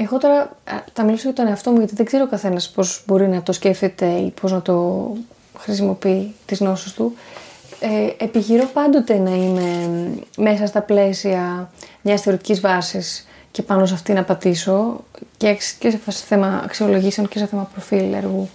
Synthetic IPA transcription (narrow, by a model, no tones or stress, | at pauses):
exo̞t̪o̞ɾɐt̪ɐmilosɐɣɐt̪o̞ne̞ɐft̪o̞muʝɐt̪iðe̞ɡzeɾookɐθe̞nɐspo̞zbo̞ɾinɐt̪osce̞ft̪et̪e̞ipʰo̞znɐt̪o̞ | xɾisimo̞piit̪izno̞sist̪u | eepiçiɾo̞pɐnd̪o̞t̪e̞nɐime̞me̞sɐsst̪ɐple̞siɐmɲɐsθe̞o̞ɾit̪icizvɐsis | ce̞pɐnos̬ɐft̪inɐːpɐt̪iso̞cekscesefɐsseθe̞mɐɐ̰ksio̞lo̞ʝisɐnoceseθemɐpɾo̞filḛɾɣu